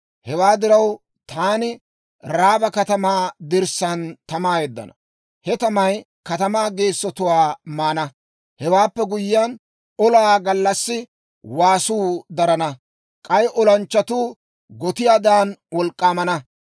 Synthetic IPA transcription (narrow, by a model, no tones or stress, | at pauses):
hɛwaːd̪ɪɾɐw | t̪aːnɪ | ɾaːbɐkɐt̪ɐmaːd̪ɪɾsɐnt̪ɐmaːjɛd̪ːɐ̰nɐ | hɛt̪ɐmɐj | kɐt̪ɐmaːɡe̞ːsːɔt̪ʊwaːmaːnɐ | hɛwaːpːɛɡʊjːɪjɐn | ɔlaaɡɐlːɐsːɪ | waːsuːd̪ɐɾɐnɐ | kʼɐjʔɔlɐnt͡ʃːɐt̪uː | ɡɔt̪ɪjaːd̪aːnwɔlkʼːaːmɐnɐ